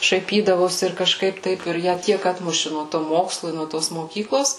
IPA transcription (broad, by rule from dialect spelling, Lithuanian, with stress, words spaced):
ʃɐɪˈpʲiːdɐʋoːsʲɪ ɪr kɐˈʃkɐɪp ˈtɐɪp ɪr ˈjæː ˈtʲiɛk ˈɑːtmʊʃʲɪ nuɔ toː ˈmoːkslˠʊ ɪ nuɔ ˈtoːs moːˈkʲiːklˠoːs